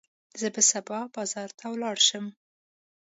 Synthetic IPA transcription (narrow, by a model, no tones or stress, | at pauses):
zəbəsabɑbɑzɑɾt̪ʰawlɑɽʃəm